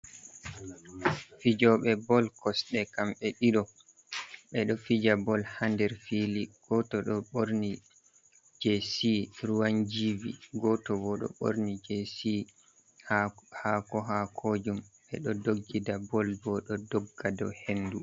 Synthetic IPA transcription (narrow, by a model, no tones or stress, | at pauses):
fid͡ʒɔɓɛbɔlkɔsɗɛkamɓɛɗiɗɔ | ɓɛɗɔfid͡ʒabɔlhandɛɾfiliɡ̥ɔtɔɗɔɓoɾni | d͡ʒesiɾuwand͡ʒivḭɡɔtɔbɔɗɔ̰ɓo̰ɾnid͡ʒesi | hakɔɦakʰoːd͡ʒumɓɛɗɔdoɡːidabɔlbɔɗɔdɔɡːadɔ̰hendu